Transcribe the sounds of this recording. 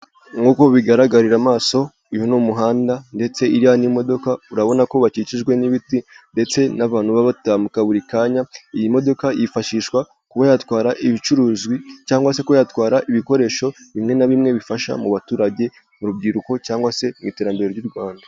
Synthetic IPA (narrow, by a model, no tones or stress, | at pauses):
ŋuko̞βiɡaɾaɡaɾiɾamaːso̞ | ujonumuɦaːndande̞t͡se̞iɾianimo̞do̞kauɾaβo̞nako̞βat͡ʃit͡ʃiʒɡwe̞niβitinde̞t͡se̞naβaːn̥huβaβatamukaβuɾikaːɲaijimo̞do̞kajifaʃiːʃwa | kuβajatwaːɾaʔiβit͡ʃuɾuːzɡwit͡ʃaːŋɡwase̞kuajatkwaːɾaʔiβiko̞ɾe̞ːʃo̞βimŋe̞naβimŋe̞βifaʃa̰muβatuːɾaɟe̞ | muɾub̚ɡiːɾuko̞caːŋɡwase̞mŋite̞ɾambeɾeɾɟuɾɡwaːnda